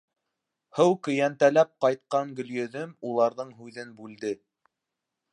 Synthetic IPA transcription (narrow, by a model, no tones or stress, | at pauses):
hɤwkɵ̆jænt̪ælæp̚qɑjt̪̚qɑŋɡɵ̆ljɵ̆ðɵmulˠɑɾðɤɴɦʉðɘnbʉld̪ɘ